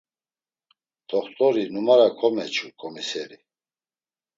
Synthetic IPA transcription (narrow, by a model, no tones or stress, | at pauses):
d̪̥ɔχt̪ʼɔɾinumaɾakʰɔmɛt͡ʃʰʼukʼɔmisɛɾi